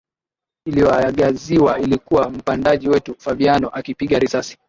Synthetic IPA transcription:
ilijɔajaɠaziwailikuwam̩pandaʄiwɛtufavianɔʔakipiɠaɾisasi̥

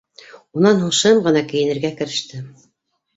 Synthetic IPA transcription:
unɑnhɤ̆ɴʃɤmʁɤ̆nɑkɘ̆jɘ̆nɘ̆ɾɡækɘ̆ɾɘ̆ʃt̪ɘ

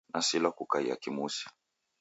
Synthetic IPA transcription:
nasilakukaija̰kimusi̥

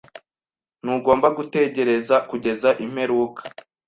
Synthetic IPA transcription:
nuɡo̞ːmbaɡute̞ɟe̞ɾe̞zakuɟe̞zaʔim̥he̞ɾuːkḁ

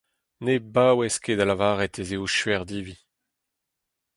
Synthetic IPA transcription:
nebaːwɛskedalavaːʁɛtezeoʃɥɛʁd̪iːvi

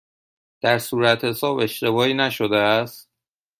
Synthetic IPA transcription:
d̪̥æɾsuːɾæt̪he̞sɒːbe̞ʃt̪e̞bɒːiːnæʃod̪eæst̪̚

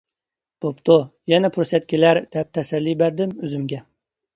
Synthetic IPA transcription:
b̥opt̪ujɛnɛpʰuɾsɛt̪̚kʲilæɾd̪̥ɛp̚t̪ʰɛsɛlːibæɾd̪ɪmøzymɡʲɛ

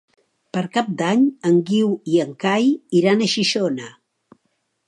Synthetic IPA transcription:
pəɾkap̚d̪aɲəŋɡiwiəŋkajiɾanəʃiʃonə

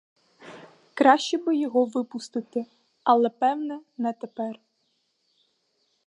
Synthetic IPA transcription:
kɾɑʃʲt͡ʃɛbɪjɔɦɔʋɪpʊst̪ɪt̪ɪ | ɐlˠɛpɛwnɛnɛt̪ɛpɛr

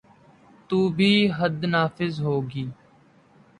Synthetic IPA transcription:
t̪uːbʱiːɦəd̪naːfɪzɦoːɡiː

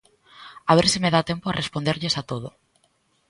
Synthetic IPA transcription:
aβ̞eɾsɪmeðat̪empoarespond̪eɾʎesat̪oð̞o

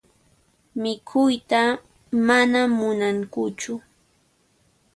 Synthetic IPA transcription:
mɪkʰʊjt̪a | manamʊnaŋkʊt͡ʃʊ

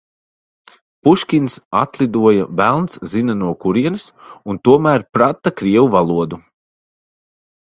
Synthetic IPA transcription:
puʃkʲinsa̰t̪lˠid̪uɔjavælˠnszinanuɔkuɾiɛnɨsunt̪uɔmæːɾpɾat̪ːakɾiɛwuvalˠuɔd̪u

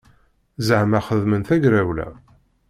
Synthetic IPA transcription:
zəʕmæχəðmənθæɡɾæwlæ̰

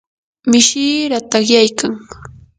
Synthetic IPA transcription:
mɪʃiːɾat̪ɑχjajkaŋ

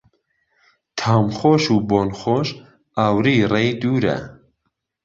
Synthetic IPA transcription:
t̪ʰɑːmχoːʃuːboːnχoːʃ | awɾiːrejd̪uːɾɛ̰

